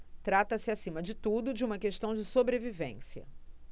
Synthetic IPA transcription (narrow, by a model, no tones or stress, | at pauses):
t̪ɾat̪ɐsɪasĩmɐd͡ʒɪt̪ud̪ʊd͡ʒɪũmɐkeʃt̪ɐ̃w̃d͡ʒɪsobɾevivḛ̃siɐ̰